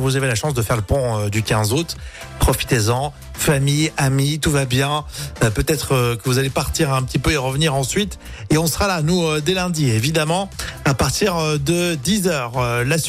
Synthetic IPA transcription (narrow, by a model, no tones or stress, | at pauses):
vuzavelaʃɑ̃sd̪əfɛʁləpɔ̃ød̪ykʲɛ̃zut̪ | pχɔfi̥t̪ezɑ̃ | famijamit̪uvabjɛ̃pøt̪ɛt̪χəkəvuzalepaʁt̪iʁɛ̃pət̪ipøeʁəvniʁɑ̃sɥit̪ | eɔ̃səʁalanuød̪elɛ̃d̪ievid̪amɑ̃apaʁt̪iʁd̪əd̪izœːʁlas